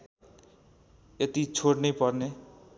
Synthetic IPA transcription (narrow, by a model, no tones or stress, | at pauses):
et̪it͡sʰoɽnʌjpʌrne